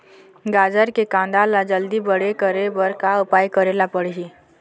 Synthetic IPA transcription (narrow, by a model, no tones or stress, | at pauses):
ɡad͡ʒəɾkekãnd̪alad͡ʒəld̪iːbəɽekəɾebəɾkaəpajkəɾelapəɽɦi